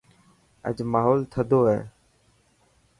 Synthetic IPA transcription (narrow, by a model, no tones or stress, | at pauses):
ə̰d͡ʒmaːɦoːlt̪ʰəd̪ʱoːɦɛ̰ː